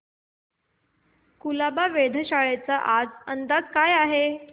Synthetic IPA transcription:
kulabaʋed̪ʱəɕaɭet͡saʔad͡zənd̪akajaɦe

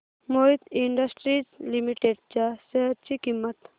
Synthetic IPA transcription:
moid̪iɳɖəsʈɾid͡ʑlimiʈeɖt͡ɕaseɦət̪̚t͡ʃikimːət̪

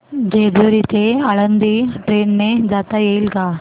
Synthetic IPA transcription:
d͡ʒeːd̪uɾit̪eɐɭɐnd̪iʈɾeːnmed͡ʒaːt̪aeːlɡa

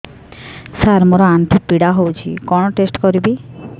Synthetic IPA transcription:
saɾmoɾant̪ʰipiɽaɦowt͡ɕʰḭkɔɳoʈesʈkoɾibi

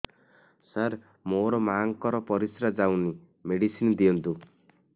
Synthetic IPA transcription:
saɾ | moɾɔmaŋkɔɾɔpɔɾisɾad͡ʒawni | meɽisind̪ijɔnt̪u

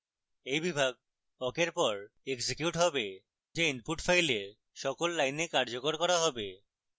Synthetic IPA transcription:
ejbibʱaɡ̚ | ɔkeɾpɔɾ | eɡd͡ʑekjuʈɦɔbe | d͡ʑeinpuʈfʰajle | ʃɔkolːajnekaɾd͡ʑokoɾkɔɾaɦɔbe

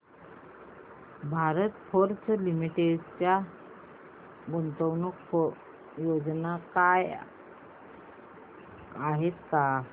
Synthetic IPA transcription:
bʱaɾət̪foɾt͡slimiʈeɖt͡ɕja | ɡont̪əwnukfo | jod͡znakaj | aɦet̪ka

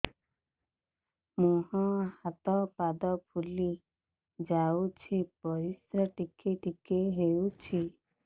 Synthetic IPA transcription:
mũɦɔ̃hat̪ɔpad̪ɔpʰuli | d͡ʒawt͡ʃʰipɔɾisɾɔʈikeʈikeɦeut͡ʃʰi

